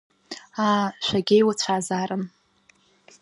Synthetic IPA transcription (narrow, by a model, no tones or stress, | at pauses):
aʃʷᶣaɡʲejwat͡ɕʷʰaːzaɾɨn